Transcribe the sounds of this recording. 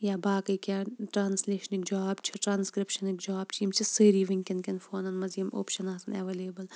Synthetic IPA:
jaːbaːkɐjkʲaːʈɾaːnsleːʃɐnikd͡ʒaːbt͡ʃʰiʈɾaːnskɾipʃɐnikd͡ʒaːb̥̚t͡ʃʰiimt͡ʃʰisəːɾiːʋiŋkʲɐnkʲɐnfoːnɐnmɐzɐmo̰ːpʃɐnaːsɐneʋeːleːbɐl

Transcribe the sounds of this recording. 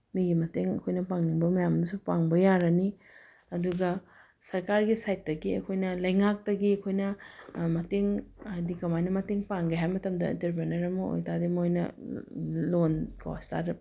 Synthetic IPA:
miɡimɐteŋɐ̰kʰojnɐpaŋniŋbɐmɐjamdusupaŋbɐjaɾɐni | ɐduɡɐ | sɐɾkaɾɡisajtːɐɡiɐ̰kʰojnɐlɐjŋak̚tɐɡiɐkʰojnɐmɐteŋajdikɐmajnɐmɐteŋpaŋɡeɦajmɐtɐmdɐḭnteɾpɾenɐɾɐmɐo̰jtadimojnɐ̰ | lonkʰa̰wa̰stʰa̰ɾɐ

